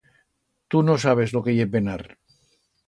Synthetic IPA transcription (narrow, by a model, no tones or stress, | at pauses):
t̪unosaβ̞ezlokejebenaɾ